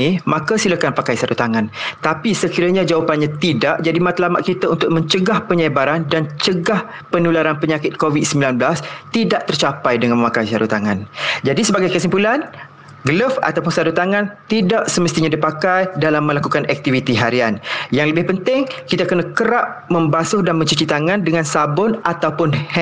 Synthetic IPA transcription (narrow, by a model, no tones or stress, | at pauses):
imãkasiləkanpakajsaɾut̪aŋãnt̪apisəkiɾaɲad͡ʒawapanɲat̪idaʔd͡ʒadimat̪lamaʔ̪̚kit̪aunt̪ʊk̚mə̃ɲt͡ʃəɡahpəɲabaɾandant͡ʃəɡah | pənulaɾanpəɲakɪt̪̚kovid̚səmbilanbəlast̪idaʔ̚t̪ərt͡ʃapajdəŋanməmakajsaɾut̪aŋand͡ʒadisəbaɡajkəsimpulan | ɡələfa̰t̪awpʊnsaɾut̪aŋãnt̪idaʔsəməst̪iɲãdipakajdalamːəlakukanʔɛk̚t̪ivit̪iɦaɾianjaŋləbɪhpənt̪ɪŋkit̪akənakəɾap̚mə̃mbasʊhdanmə̃ɲt͡ʃət͡ʃit̪aŋãndəŋãnsabʊnat̪awpʊnhɛ